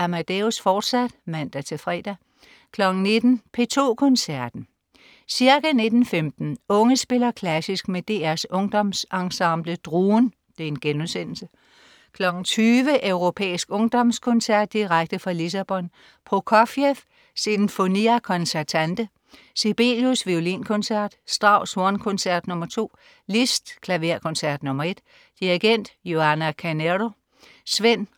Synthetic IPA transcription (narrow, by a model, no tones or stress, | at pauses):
æmæd̥eusfɒːd̥sæd̥mæn̰d̥æt͡sʰe̝fʁɛ̰ːd̥æ | kʰlɒ̽ɡ̥n̩ne̝d̥n̩pʰe̝t͡sʰo̝̰ːkʰɒ̽nsæɐd̥n̩ | siɐɡ̥æne̝d̥n̩femd̥n̩ɔ̽ŋəsb̥e̝lɐkʰlæsisɡ̥med̥e̝̰ːæɐsɔ̽ŋd̥ɒ̽msɑ̈ŋsɑ̈mb̥ləd̥ʁuːn | d̥e̝e̝nɡ̥enm̩sen̰l̩sə | kʰlɒ̽ɡ̥n̩t͡sʰyːʋəʔœʊʁo̝pʰḛːisɡ̥ɔ̽ŋd̥ɒ̽mskʰɔ̽nsæɐ̰d̥̚ːiʁaɡ̥̚d̥əfʁɑ̈lis̬æb̥ɒ̽n | pʰʁokʰɒfjef | sinmfo̝niækʰɒ̽nsæɐt͡sʰænd̥ə | sib̥e̝ljusʋiolḭnkʰɔ̽nsæɐ̰d̥sd̥ʁɑ̈ʊ̰so̝ɐnkʰɔ̽nsæɐd̥nɔ̽mɐt͡sʰo̝̰ː | lisd̥kʰlæʋe̝ɐ̰kʰɔ̽nsæɐ̰d̥nɔ̽mɐe̝d̥ | d̥iʁeɡ̥en̰d̥jo̝ænækʰæneɾo̝ | sʋen̰